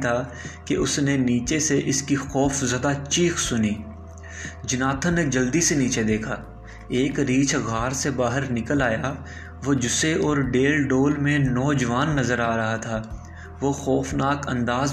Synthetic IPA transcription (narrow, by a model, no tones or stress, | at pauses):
t̪ʰaː | keʊsneniːt͡ʃeseʔɪskixɔːfzɐd̪at͡ʃiːxsʊniː | d͡ʒɪnaːt̪ʰə̃ned͡ʒɐld̪iseniːt͡ʃed̪eːkʰaː | eːkɾiːt͡ʃɣaːɾsebaːɦəɾnɪkəlaːja | ʋod͡ʒʊseɔːɾɖeːlɖoːlmẽnɔːd͡ʒəʋaːnːɐzəɾaːɾɐɦat̪ʰaː | ʋoxɔːfnaːkɐ̰̃nd̪aːz